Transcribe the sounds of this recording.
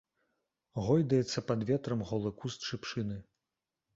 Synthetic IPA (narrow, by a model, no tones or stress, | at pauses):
ɣɔjd̪ɐjɛt̪sːɐpad̪vʲɛt̪ɾɐmɣɔlˠɨkust͡ʂɨpʂɨnɨ